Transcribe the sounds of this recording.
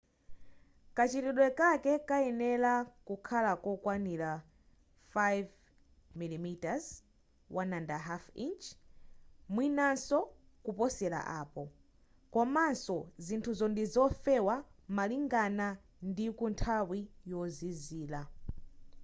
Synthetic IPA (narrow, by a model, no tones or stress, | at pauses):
kat͡ʃitiɗwɛkakɛkajɛnɛlakukʰalakɔkwanila | fajv | milimitaz | wanandaɦafint͡ʃ | mwinansɔ | kupɔsɛla̰ʔaːpɔ | kɔmansɔzintʰuzɔndizɔfɛwamaliŋɡana | ndikuntʰawijɔziziːla